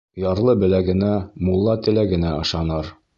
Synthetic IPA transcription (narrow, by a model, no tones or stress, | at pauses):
jɑɾlˠɤbɘ̆læɡɘ̆næmulˠːɑt̪ɘ̆læɡɘ̆næɒ̆ʃɑnɤɾ